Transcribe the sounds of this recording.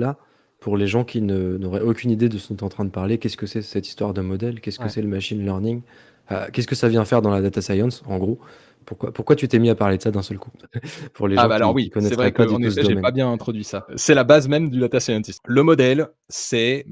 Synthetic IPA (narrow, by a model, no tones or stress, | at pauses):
la | puʁleʒɑ̃kʲʰinənɔʁɛokʲynid̪ed̪əsɔ̃t̪ɑ̃t̪χɛ̃d̪əpaʁlekʲɛskəsɛsɛt̪i̥st̪waʁd̪əmɔd̪ɛlkʲɛskəsɛləmaʃinlœʁniŋ | a̰kʲɛskəsavjɛ̃fɛʁd̪ɑ̃lad̪at̪asajɑ̃sɑ̃ɡʁo | puʁkwapuʁkwat̪yt̪ɛmiapaʁled̪ə̥sad̪ɛ̃sœlkupuʁleʒãaalɔʁwiikɔnɛtɛvʁɛɛpaynusəɛd̪ɔʒemɛnpabjɛ̃nɛ̃t̪χɔd̪ɥisasɛlabazmɛmd̪yd̪at̪asajɑ̃t̪ismləmɔd̪ɛl | sɛ